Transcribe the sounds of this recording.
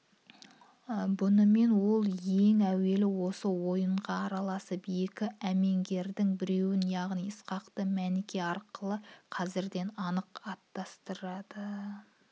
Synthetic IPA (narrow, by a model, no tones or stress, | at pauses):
bʊnəme̞nwo̞lˠje̞ŋæwe̞lɪwo̞səwo̞jəɴʁɑːɾɑlˠɑsəpje̞kʲɪæme̞ŋɡʲe̞ɾd̪ɪŋbɪɾe̞wɪnjɑʁnijəsqɑqt̪əmænɪkʲe̞ɑɾqəlˠəqʰɑzɪɾd̪e̞nɑnəqɑt̪ːɑst̪əɾɑd̪̥ə